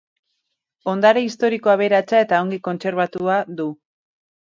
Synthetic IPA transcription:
o̞nd̪aɾeist̪o̞ɾiko̞aβe̞ɾat͡sae̞t̪ao̞ŋɡiko̞nt͡se̞ɾβ̞at̪uad̪u

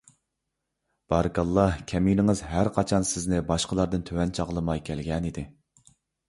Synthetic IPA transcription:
b̥ɑɾɨkɑlˠːɑhkʲʰɛmilɪŋɨzɦæɾqʰɑt͡ʃʰɑnsɪznɪbɑʃqəlˠɑɾd̪ɨnt̪ʰøwɛnt͡ʃʰɑʁlˠɨmɑjkʲʰɛlɡʲɛnid̪ɪ

